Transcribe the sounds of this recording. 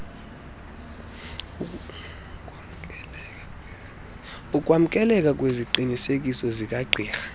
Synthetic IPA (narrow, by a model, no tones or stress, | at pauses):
ukʼwam̩kʼɛlɛkʼakʼweziǃinisek̬ʼisɔzikʼaɡ͡ǃʱiːxḁ